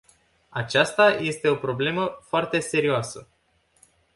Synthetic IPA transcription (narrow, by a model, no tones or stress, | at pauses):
at͡ʃast̪aje̞st̪e̞o̞pɾo̞ble̞məfoart̪e̞se̞ɾioasə